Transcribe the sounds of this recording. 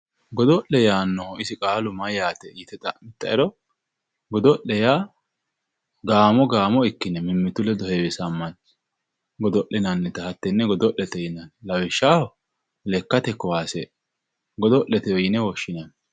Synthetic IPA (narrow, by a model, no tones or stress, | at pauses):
ɡɔd̪ɔʔɛjaːnːɔɪsɪkʼaːlʊmɐjaːt̪ɛjɪt̪ɛt̪ɐmɪt̪ːɐɛɾɔ | ɡɔd̪ɔʔɛjaː | ɡaːmɔɡaːmɔɪkːɪnɛmɪmːɪt̪ʊlɛd̪ɔhɛwɪsɐmːɐn | ɡɔd̪ɔʔɛnɐnːɛt̪ɐhɐt̪ːɛnːɛɡɔd̪ɔʔɛt̪ɛjɪnɐnlɐwɪʃːaːhɔ | lɛkːɐt̪ɛkːɔwaːsḛ | ɡɔd̪ɔʔɛt̪ɛjɔjɪnɛwɔʃːɪnɐn